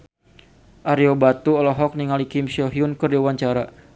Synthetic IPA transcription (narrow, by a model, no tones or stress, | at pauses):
ʔaɾiobat̪uɔlɔɦɔk̚niŋalikɪmsɔɦiunkɨrdiwaɲt͡ʃaɾa